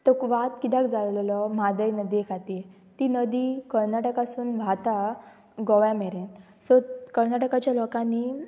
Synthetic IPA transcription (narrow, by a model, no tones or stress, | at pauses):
t̪əkʋat̪kit̪akd͡zalllɔmad̪əjnəd̪ikʰat̪i | t̪inəd̪ikəɾnaʈəkasuːnʋʱat̪a | ɡɔʋjamɛɾẽn | sɔkəɾnaʈəkat͡ɕjalɔkani